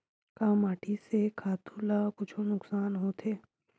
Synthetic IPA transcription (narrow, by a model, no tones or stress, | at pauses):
kaːmaːʈisekʰaːt̪ʰulakʊt͡ʃʰonʊksaːnɦot̪ʰeː